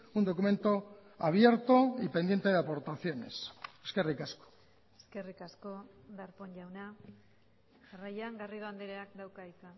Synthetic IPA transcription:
und̪o̞kumẽ̞nt̪o̞aβje̞ɾt̪o̞ipend̪jent̪e̞ðeapo̞ɾt̪aθjo̞ne̞̰seske̞rikasko̥ | eske̞rikasko | d̪aɾpoɲʝawna | ʝarajaŋɡariðoand̪eɾeak̚d̪awkaisa

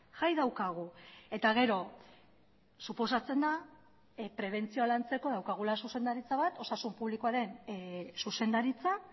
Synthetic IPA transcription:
ʝajðawkaɣ̞ue̞t̪aɣe̞ɾo̞ | supo̞sat͡se̞nd̪a | pɾe̞β̞e̞nt͡sioalant͡se̞ko̞ðawkaɣ̞ulasuse̞nd̪aɾit͡saβat̪o̞sasumpuβlikoaɾe̞nsuse̞nd̪aɾit͡sa

